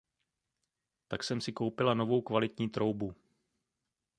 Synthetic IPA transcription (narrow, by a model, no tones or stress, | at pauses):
t̪aksɛmsɪkowpɪlano̞vo̞wkvalɪt̪ɲiːt̪ɾo̞wbu